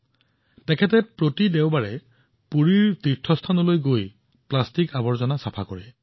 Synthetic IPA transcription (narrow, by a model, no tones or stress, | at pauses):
tɛkʰɛtɛpɹotidɛwbaɹɛ | puɹiɹtitʰːɔstʰanɔlojɡoj | plastikabɔɹzɔnasapʰakɔɹɛ